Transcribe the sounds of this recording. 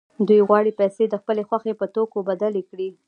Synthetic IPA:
d̪ujɣwɑɽipɛjsed̪əxpəlexwaxepət̪okobad̪alekɽi

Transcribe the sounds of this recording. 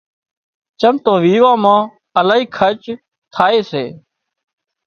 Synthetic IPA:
t͡ʃəmt̪õːʋiːʋãːmãː | əlaːɦiːkʰət͡ʃ | t̪ʰaːeːseː

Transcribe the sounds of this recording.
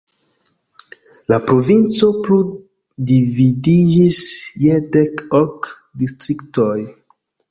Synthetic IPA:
lapɾo̞vint͡so̞plu | dividid͡ʒisjedekok | distɾiktoj

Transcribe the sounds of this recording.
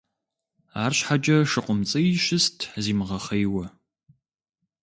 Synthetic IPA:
aːrɕħad͡ʒʼɐʂɨqʷʼʊmt͡sʼɐjiʃɪstʰziːmʁɐχɐjwɐ

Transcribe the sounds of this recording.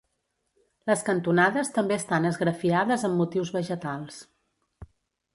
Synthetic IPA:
ləskənt̪unaðəst̪əmbeəst̪anəzɣɾəfiaðəzəmːut̪iwzβəʒət̪alˠs

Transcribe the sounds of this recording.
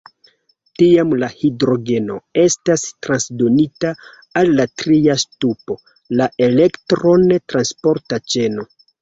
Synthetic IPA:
tiamlahidɾo̞ɡe̞no̞e̞stastɾansdo̞nitaː | lːatɾiastupo̞ | laʔele̞ktɾo̞netɾanspo̞ɾtat͡ʃe̞no̞

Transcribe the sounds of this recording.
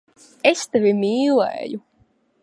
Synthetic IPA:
est̪ɛvʲimiːlˠɛ̰ːju

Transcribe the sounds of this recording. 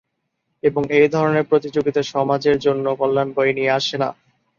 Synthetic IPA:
eboŋejd̪ʱɔɾoneɾpɾot̪id͡ʑoɡit̪aʃɔmad͡ʑeɾd͡ʑonːokɔlːanboenieaʃena̰

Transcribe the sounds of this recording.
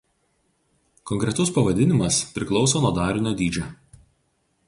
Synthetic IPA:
kɔŋʲkɾʲɛt̪ʊspɐʋɐd̪ʲɪnʲɪmɐspʲɾʲɪklˠɒʊsoːnuɔd̪ɑːɾʲɪnʲoːd̪ʲiːd͡ʒʲɛ

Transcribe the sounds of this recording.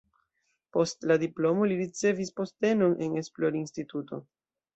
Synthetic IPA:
po̞stladiplo̞mo̞liɾit͡se̞vispo̞ste̞no̞nʔe̞ne̞splo̞ɾinstituto̞

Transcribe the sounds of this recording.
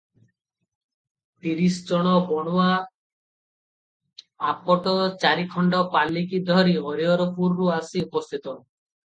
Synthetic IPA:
t̪iɾisɔd͡ʒɔɽ̃ɔbɔɽ̃ua | bʱapɔʈɔt͡ʃaɾikʰɔɳɖɔpalikid̪ʱɔɾiɔɾiɔɾɔpʰuɾːuasiupɔst̪ʰit̪ɔ

